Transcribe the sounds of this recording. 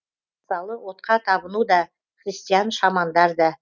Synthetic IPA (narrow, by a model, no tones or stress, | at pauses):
məsɑlˠəwo̞t̪̚qɑt̪ʰɑbənud̪ɑ | χɾʲist̪ijɑnʃɑmɑnd̪ɑɾd̪ɑ